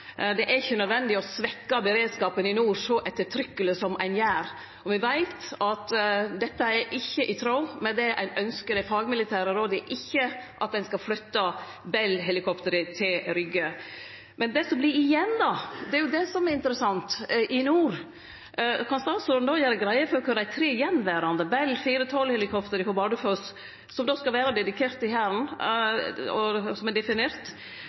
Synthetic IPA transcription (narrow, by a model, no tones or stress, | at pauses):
d̪ɛʔæɾɪçːənœd̪ʋɛnd̪ɪɔsʋɛkːɑbəɾeːd̪skɑːpənɪnuːɾsɔʔɛt̪ːəʈʰɾʏkːələsɔmæ̰ɪnjæːɾ | ɔʋɪʋæɪt̪ɑt̪d̪ɛt̪ːəɛɾʔɪçːəʔɪt̪ʰɾɑʊmɛnd̪ɛʔæ̰ɪnœnskəɾəfɑːɡmɪlɪt̪ʰæːɾəɾoːd̪ɛʔɪçːəʔɑt̪̚d̪ɛnskɑflʏt̪ːɑ | bɛlːɦɛlɪkʰɔpt̪əɾət̪ʰɪlɾʏɡːə | mɛnd̪ɛsɔmblɪɾɪjɛnːd̪ɑd̪ɛæɾjʊd̪ɛsɔmɛɾɪnt̪əɾəsɑnt̪ʔɪnuːɾ | kʰɑnst̪ɑːsuːɾnoːjæːɾəɡɾæɪəfɔɾɔkʰʉd̪æɪt̪ʰɾiːɪjɛnːʋæɾɑnd̪əbɛlːfiːɾət̪ʰɔlhɛlɪkʰɔpt̪əɾɪhɔbɑːd̪ʉføs | sɔmd̪ɔːskɑlʋæːɾəd̪ɛd̪ɪkʰeːɾt̪ɪhæːɾən | ɔsɔmɛd̪ɛfɪneːɾt̪